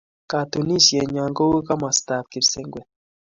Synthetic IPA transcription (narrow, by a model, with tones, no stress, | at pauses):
ka˨tu˨ni˦ʃi˨je˨ɲaː˨ŋɡo˦wu˦ka˦ma˨staː˨p̚ki˨ɾse˦ŋɡwe˨